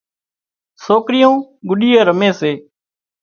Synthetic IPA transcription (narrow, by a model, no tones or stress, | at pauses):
soːkɾɪjõːɡʊɗijəːɾəmẽːseː